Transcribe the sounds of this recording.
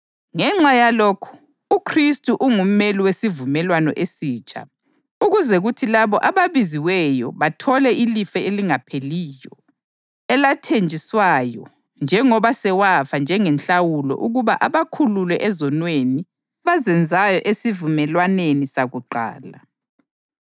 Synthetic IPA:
ŋɛŋ͡ǁajalokʰu̥ | ukʰristʼuʔuŋum̩meliwesivumɛlwanɔ̰ʔesiːt͡ʃʼa̰ | uɣuzɛɣutʰilaβɔʔaβaβiziwɛjɔβatʰɔlɛʔilifɛeliŋapʰeliːjɔ | ɛlatʰend͡ʒʱiswajɔ | nd͡ʒʱɛŋɔβasɛwafand͡ʒʱɛŋɛnt͡ɬawulɔ̰ʔuɣuβaʔaβakʰululɛʔɛzɔnweni | βazɛnd͡zʱajɔʔesivumɛlwanenisaɣuǃa̰ːla

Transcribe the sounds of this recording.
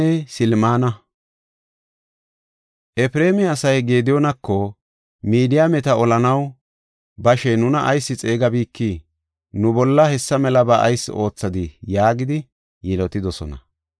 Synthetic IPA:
ɛsɪlmaːnɐ | ʔɛpɾe̞ːmɛɐsɐjɡe̞ːd̪ɪjɔnɐkʰːɔ | miːd̪ɪjamɛt̪ɐɔlɐnɐw | bɐʃɛnʊnɐʔɐjsːɪt͡sʼe̞ːɡɐbiːkːi | nʊbɔlːɐhɛsːɐmɛlɐbaʔɐ̰jsːʔo̞ːt͡sːɐd̪ɪjaːɡɪd̪ɪ | jɛlɔt̪ɪd̪ɔsɔnɐ̰

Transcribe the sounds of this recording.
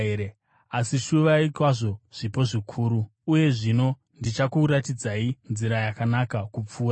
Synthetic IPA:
ee | asiʃuʋaikwaʐo̞ʐ̥ipo̞ʐikʰuːɾuːje̞ʐino̞ | ndit͡ʃakuɾatid͡zainziɾajakanakakup͡fuːra

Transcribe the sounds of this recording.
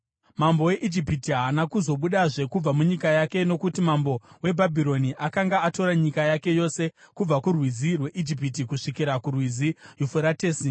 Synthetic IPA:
mambo̞we̞ʔid͡ʒipitiɦanakuzo̞ɓuɗaʐe̞kub͡vamuɲikajake̞no̞kutimambo̞we̞bʱabʱiɾo̞niʔakaŋɡaato̞ɾaɲikajake̞jo̞se̞ | kub͡vakurwizirwe̞ʔid͡ʒip̬itikuʂikiɾakurwizijufuɾateːsi

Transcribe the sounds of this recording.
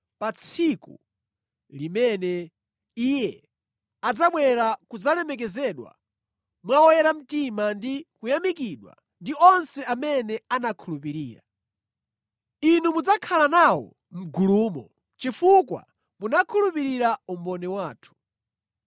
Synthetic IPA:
pat͡sʰikṵ | limɛnɛ | ijɛ | ad͡zaɓwɛɾakud͡zalɛmɛk̬ɛzɛɗwa̰ | mwawɔjɛɾam̩timandikujamikiɗwa̰ | ndiɔnsɛamɛnɛanakʰulupiɾiːɾa̰ | inumud͡zakʰalanawɔ̰ | m̩ɡuluːmɔ | t͡ʃifukwa̰ | munakʰulup̬iɾiɾaumbɔnɛwaːtʰu̥

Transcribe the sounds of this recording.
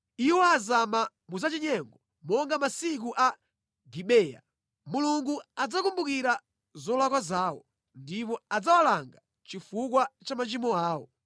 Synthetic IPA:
iwɔazama | muzat͡ʃiɲɛŋɡɔ | mɔŋɡamasik̬uʔa | ɡiɓɛːja̰ | muluŋɡuad͡zakumbukiɾa | zɔlakwazaːwɔ̰ | ndip̬ɔad͡zawalaŋɡa | t͡ʃifuk̬wat͡ʃamat͡ʃimɔaːwɔ̰

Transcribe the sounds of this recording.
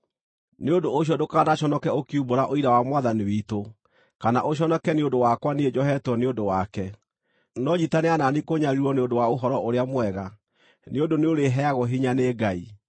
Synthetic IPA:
neodoːɕ̬jɔdokanaɕɔnɔkɛokiumboɾaʔoiɾawamwaðaniwito | kana̰ʔoɕ̬ɔnɔkɛneondowakwaneed͡ʑɔɦɛtwɔneondowakɛ | nɔɲitaneananikoɲaɾiɾwɔneondowaoɦɔɾɔʔoɾeamwɛɣa | neodoneoɾeɦɛaɣoɦiɲaneːɡai

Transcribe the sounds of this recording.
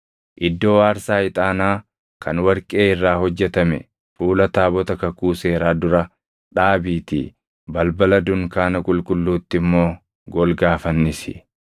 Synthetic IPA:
ʔɪd̪ːo̞ːaːɾsaːɪt̪ʼaːnaː | kʰɐnwɐɾkʼe̞ːɪrːaːhɔd͡ʒːɛt̪ɐmɛ̰ | fuːlɐt̪aːbɔt̪ɐkɐkuːse̞ːɾaːd̪ʊɾɐ | ᶑaːbiːt̪ḭː | bɐlbɐlɐd̪ʊŋkaːnɐkʼʊlkʼʊlːuːt̪ːɪmːoː | ɡɔlɡaːfɐnːɪsɪ̰

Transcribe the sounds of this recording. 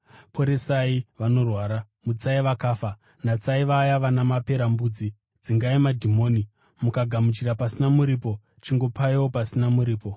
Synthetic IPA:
pʰo̞ɾesaiʋano̞rwaːɾa | mut͡saiʋakaːfa | nat͡saiʋajaʋanamape̞ɾambuːd͡zi | d͡ziŋɡaimadʱimo̞ːni | mukaɡʱamut͡ʃiɾapasinamuɾiːpo̞ | t͡ʃiŋɡo̞paiwo̞pasinamuɾiːpo̞

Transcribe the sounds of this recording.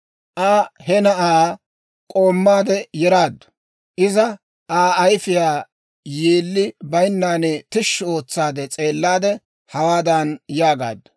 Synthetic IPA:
ʔaːhɛnɐʔaː | kʼo̞ːmːaːd̪ɛjɛɾaːd̪ːʊ̥ | ʔɪzɐ | ʔaːɐjfɪjaː | jeːlːɪbɐjnːaːnɛt̪ɪʃːo̞ːt͡sːaːd̪ɛt͡sʼe̞ːlːaːd̪ɛ | hɐwaːd̪aːnjaːɡa̰ːd̪ːʊ̥

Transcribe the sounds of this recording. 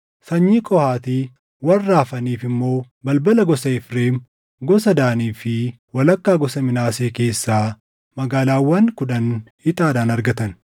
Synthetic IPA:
sɐɲːikʼɔhaːt̪iː | wɐrːaːfɐniːfɪmːo̞ː | bɐlbɐlɐɡɔsɐɪfɾeːn | ɡɔsɐd̪aːniːfɪ | wɐlɐkːaːɡɔsɐmɪnaːseːke̞ːsːaː | mɐɡaːlaːwːɐnkʊᶑɐnhɪt̪ʼaːd̪aːnɐɾɡɐt̪ɐn

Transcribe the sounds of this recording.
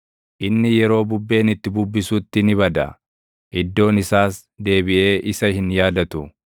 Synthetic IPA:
ʔɪnːɪjɛɾo̞ːbʊbːe̞ːnɪt̪ːɪbʊbːɪsuːt̪ːɪnɪβɐd̪ɐ̰ | ʔɪd̪ːo̞ːnɪsaːs | d̪e̞ːbɪʔe̞ːʔɪsɐhɪnjaːd̪ɐt̪ʊ

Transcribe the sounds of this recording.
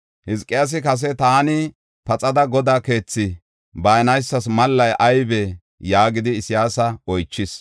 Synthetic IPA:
hɪzkʼːɪjas̬ɪkɐs̬ɛt̪aːnɪ | pɐt͡sʼɐd̪ɐɡɔd̪aːke̞ːt͡sːɪ | bɐjnɐjsːɐsmɐlːɐjʔɐjbɛ | jaːɡɪd̪ɪːsɪjaːsɐɔjt͡ʃːɪs

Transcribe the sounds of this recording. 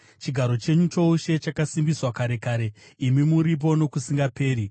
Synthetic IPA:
t͡ʃiɡʱaɾo̞t͡ʃe̞ɲut͡ʃo̞uʃe̞t͡ʃakasimbiswakaɾe̞kaːɾe̞imimuɾip̬o̞no̞kusiŋɡape̞ːɾi

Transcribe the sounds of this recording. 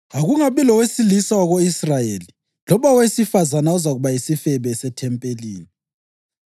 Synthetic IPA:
aɣuŋaβɛlɔwesilisawaɣoisrajeli | lɔβawesifazanaɔzaɣuβajisifɛβɛsɛtʰɛmpʼeliːni

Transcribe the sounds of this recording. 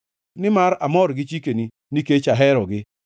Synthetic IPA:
nɪmaɾamɔɾɡɪt͡ʃikeni | niket͡ʃaɦɛɾɔɡɪ

